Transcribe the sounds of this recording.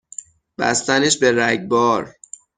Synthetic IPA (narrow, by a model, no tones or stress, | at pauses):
b̥æ̰st̪æneʃbeɾæɟbɒːɾ